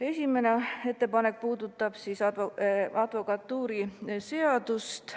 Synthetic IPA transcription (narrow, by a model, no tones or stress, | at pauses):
e̞sʲime̞nee̞t̪ːe̞pɑne̞k̚puːd̪ut̪ːˑɑb̥sis | ɑd̪̥vo̞kɑt̪ːuːɾise̞ɑd̪̥ust̪